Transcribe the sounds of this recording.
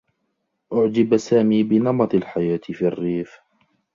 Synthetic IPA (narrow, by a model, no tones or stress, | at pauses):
ʔʊʕd͡ʒɪbasaːmiːbɪnɑmɑt̪ˤalħajaːt̪ɪfiɑrːiːf